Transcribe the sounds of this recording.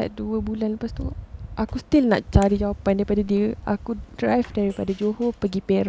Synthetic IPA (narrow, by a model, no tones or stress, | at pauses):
a̰t̪̚duəbulanləpast̪uʔakust̪ilna̰ʔt͡ʃaɾid͡ʒawapandaɾipadadiəʔa̰kudɾajfdaɾipadad͡ʒohopəɡipeɾa